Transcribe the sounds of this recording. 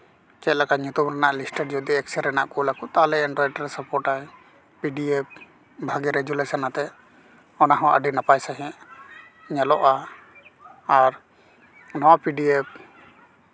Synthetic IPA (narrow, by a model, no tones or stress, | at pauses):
kɛt̪̚lakaɲut̪umɾɛnaʔlisʈəɾd͡ʒɔd̪iɛksɛɾɛna̰ʔkulakut̪alɛɛɳɖɾɔjʈɾɛsapɔɾʈaj | piɖiep̚ | bʱaɡɛɾɛɡulesanat̪ɛ | ɔnaɦɔ̃ʔə̰ɖinapajsaɦɛ̃ʔ | ɲɛlɔʔa | ɾ | nɔwapiɖiep̚